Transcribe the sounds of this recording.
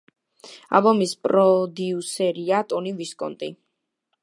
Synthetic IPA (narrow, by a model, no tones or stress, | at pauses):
a̰lˠbɔmispʼɾɔd̪iusɛɾiat̪ʼɔniviskʼɔ̰nt̪ʼḭ